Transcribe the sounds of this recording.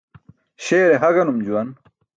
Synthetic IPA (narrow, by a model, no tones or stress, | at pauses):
ɕeːɾeɦɐɡɐnumd͡ʑuwɐn